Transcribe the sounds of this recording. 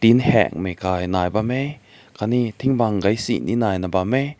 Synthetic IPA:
t̪inhɛ̰ŋ̚mejkaːjnaːjbame | kʰanit̪ʰiŋbaŋɡɐjsḭʔnḭnaːjnabame

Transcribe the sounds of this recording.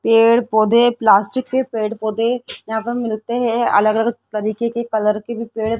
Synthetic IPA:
peːɽpoːd̪eplaːsʈɪkːepeːɽpoːd̪ejɐɦãpɐɾmɪlt̪eɦɛ̃ɐ̰ləɡələɡt̪ɐɾiːkekekɐləɾkebʱipeːɽ

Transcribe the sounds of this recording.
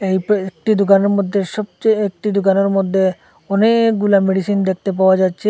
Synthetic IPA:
ejpek̚ʈid̪ukaneɾmod̪ʱːeʃɔb̚t͡ɕejek̚ʈid̪okaneɾmod̪ʱːe | ɔnekɡulameɖisind̪ek̚ʰt̪ep̬aoad͡ʑatːɕʰe

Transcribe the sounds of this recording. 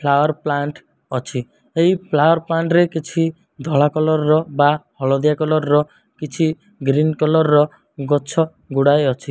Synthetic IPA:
pʰlawɔɾplaɳʈ | ɔt͡ʃʰi | eɦipʰlawɔɾplaɳʈɾekit͡ʃʰi | d̪ʱɔɭakɔlɔɾɾɔbahɔɭɔd̪jakɔlɔɾːɔ | kit͡ʃʰi | ɡɾinkɔlɔɾːɔ | ɡɔt͡ʃʰɔ | ɡuɽajɔt͡ʃʰi

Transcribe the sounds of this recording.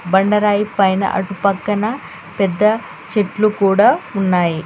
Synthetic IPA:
bɐɳɖɐɾaːjipɐjnɐ̰ʔɐ̰ʈupɐkːɐnɐ | pɛd̪ːɐ | t͡ʃeʈlukuːɽaːunːaːji

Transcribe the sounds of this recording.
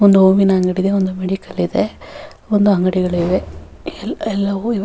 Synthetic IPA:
ond̪uoʋinɐɐŋɡɐɽid̪eond̪umeɽikɐlid̪e | ond̪uɐŋɡɐɽiɡɐɭuiʋe | ɛlːɐʋuiʋ

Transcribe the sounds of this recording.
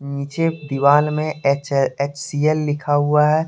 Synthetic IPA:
niːt͡ʃed̪iʋaːlmẽet͡ʃsielːɪkʰaɦʊaɦɛː

